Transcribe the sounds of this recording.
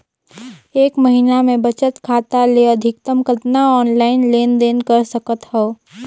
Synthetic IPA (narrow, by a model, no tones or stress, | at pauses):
eːkmɐɦiːnamẽbɐt͡ʃət̪kʰaːt̪aleɐd̪ʱɪk̚t̪əmkət̪naɔːnlaːɪnleːnd̪eːnkəɾsɐkət̪ɦɛo